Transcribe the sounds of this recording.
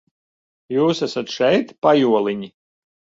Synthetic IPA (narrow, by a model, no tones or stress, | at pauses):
juːsæsat̪ʃɛjt̪pajuɔlˠiɲʲi